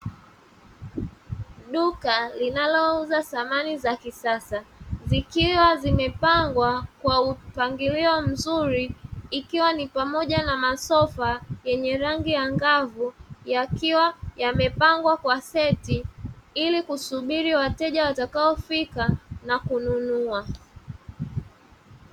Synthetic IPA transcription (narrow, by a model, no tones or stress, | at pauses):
ɗukalinalɔuzaθamanizakisasazikiwazimɛpaŋɡwakwaupaŋɡiliɔm̩zuɾiːkiwanipamɔʄanamasɔfajɛɲɛɾaŋɡijaŋɡavujakiwajamɛpaŋɡwakwasɛtiilikusuɓiɾiwatɛʄawatakaɔfikanakununua